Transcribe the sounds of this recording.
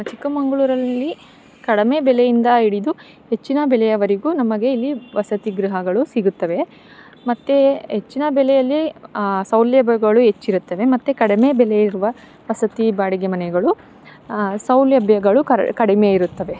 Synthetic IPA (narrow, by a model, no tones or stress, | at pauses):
ɐt͡ʃikːɐmɐŋɡɐɭuːɾɐlːi | kɐɽɐmeːbɛlejind̪ɐiɽid̪u | he̞t͡ʃːinɐbɛlɛjɐʋɐɾiɡuːnɐmɐɡe̞ilːiʋɐsɐt̪iɡɾiɦɐɡɐɭusiɡut̪ːɐʋe̞ | mɐt̪ːeɦet͡ʃːinɐbɛlɛjɐlːisɐwljɐbjɐɡɐɭuɦe̞t͡ʃːiɾut̪ːɐʋe̞mɐt̪ːekɐɽimebɛlejiɾuʋɐ | ʋɐsɐt̪ibaːɽiɡemɐnɛɡɐɭu | sɐwljɐbjɐɡɐɭuɐkɐɽimeiɾut̪ːɐʋe̞